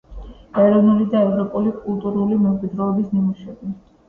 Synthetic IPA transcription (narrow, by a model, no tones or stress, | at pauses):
ɛɾɔvnulid̪aɛvɾɔpʼulikʼulˠt̪ʼuɾulimɛmkʼid̪ɾɔːbisnimuʃɛbi